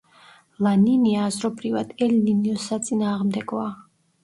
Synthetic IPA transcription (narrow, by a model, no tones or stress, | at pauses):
lˠaniniaːzɾɔbɾivad̪̥ɛlniniɔsat̪sʼinaːʁmd̪ɛɡɔa